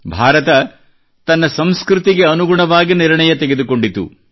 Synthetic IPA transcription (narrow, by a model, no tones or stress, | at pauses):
bʱaːɾɐt̪ɐ | t̪ɐnːɐsɐmskɾut̪iɡe̞ɐnuɡuɳɐʋaːɡiniɾɳɐjɐt̪eɡe̞d̪uko̞ɳɖit̪ːṵ